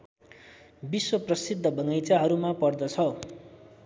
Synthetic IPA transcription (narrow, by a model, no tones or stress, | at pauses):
biswʌprʌsid̪ʱːʌbʌnʌjt͡saɦʌɾumapʌrd̪ʌt͡sʰʌ